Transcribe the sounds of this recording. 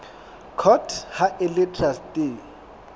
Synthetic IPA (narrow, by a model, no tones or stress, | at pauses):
kʰɔtʰhaʔɪlɪtʰʼrastʼɪ